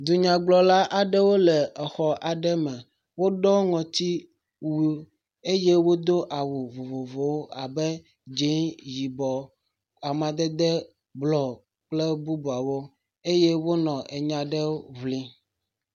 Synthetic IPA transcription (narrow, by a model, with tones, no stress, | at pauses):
d̪u˨ɲã˨ɡ͡blɔ˨la˦ʔa˨ɖɛ˦wo˦lɛ˨ɛ˨xɔ˨ʔa˨ɖɛ˦mɛ˨ | wo˦ɖɔ˦ŋɔ̃˨t̪i˦ | wu˦ | e˦je˦wo˦d̪o˦ʔa˨wu˨vo˨vo˨vo˨wo˦ʔa˨bɛ˦ | d͡ʒe˦ŋji˨bɔ˨ | a˨mã˨d̪ɛ˦d̪ɛ˦ | blɔ˨ | k͡plɛ˦bu˦bu˨a˨wo˦ | e˦jɛ˦wo˦nɔ̃˨ʔe˨ɲã˨ɖɛ˦wo˦vli˦